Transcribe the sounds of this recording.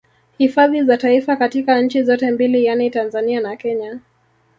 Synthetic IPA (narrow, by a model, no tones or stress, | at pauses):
hifaðizataifakatikanɲ̩t͡ʃizɔtɛmbilijanitanzanianakɛɲa